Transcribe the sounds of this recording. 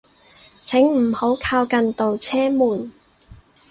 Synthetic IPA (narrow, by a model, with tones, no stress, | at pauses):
t͡sʰɪ˨˥ŋm̩˨˩ho˨˥wkʰaː˧wkɐ˨nt̪o˨wt͡sʰɛː˥muː˨˩n